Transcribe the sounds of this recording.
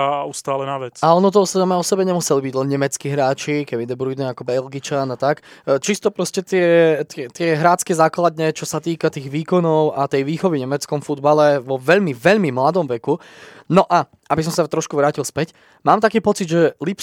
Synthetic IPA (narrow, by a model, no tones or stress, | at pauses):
aust̪aːlɛnaʋɛt͡saɔnɔt̪̬ɔsamɛːɔsɛbɛɲɛmusɛlibiɟlɛnɲɛmɛt͡skiːɦɾaːt͡ʃikɛmid̪ɛbɾuid̪ɛakɔbɛlɡit͡ʃanat̪akt͡ʃist̪ɔpɾɔscɛt̪ɪɛt̪ɛt̪ɪɛɦɾaːt͡skɛzaːklad̪ɲɛt͡ʃɔsat̪iːkat̪iːɣʋiːkɔnɔʊat̪ɛjʋiːxɔʋiɲɛmɛt͡skɔmfud̪balɛʋɔʋɛʎmiʋɛʎmimlad̪ɔmʋɛku | nɔʔa | abis̬ɔmsat̪ɾɔʃkuʋɾaːcilˠspɛc | maːmt̪akiːpɔt͡sid̪ʒɛlip